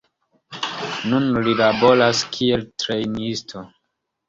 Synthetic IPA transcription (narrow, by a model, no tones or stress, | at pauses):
nunlilabo̞laskʰieltɾejnistʰo